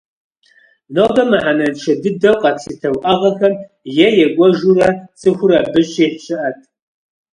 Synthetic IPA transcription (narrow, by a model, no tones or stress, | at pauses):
nodɐmɨħanɐnt͡ʃʰɐdɨdɐwqʼɐtsitʰɐwʔɐʁɐxɐm | jɛjɛɡʷʼɔʒurɐt͡sʰʼɨxʷʊrɐbɨɕeːħɕɪʔɐtʰʼ